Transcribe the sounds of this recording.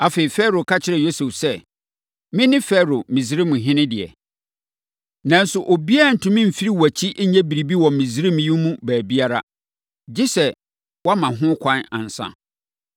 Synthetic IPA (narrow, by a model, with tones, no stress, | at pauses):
a˨feː˨i˨fɛ˦ɾo˨kʰa˦t͡ɕʰɪ˦ɾɛ˨jo˦sɛ˨fsɛ˦ | mɪ̃˦nɪ̃˦fɛ˦ɾo˨mĩ˨si˦ɾi˦mũ˨ɦɪ̃˦nɪ̃˦dɪ˨ɛ̰˨ | nã˨n̩˦sʊ˨ʔo˨bi˦a˦˨n̩˨tʰʊ̃˨mɪ̃˦m̩˨fi˦ɾi˦wæ˨t͡ɕʰi˦ʔɲɛ̃˦bi˨ɾi˨bi˦wɔ̃˨mĩ˨zi˦ɾi˦m̃˨ju˦mũ˦bæː˨bi˦a˦ɾa̰˦ | d͡ʑɪ˦sɛ˨ | wɔ˦mã˨ɦʊ̃˦kʷʰã˦nã̰˨n̩˨sã̰˨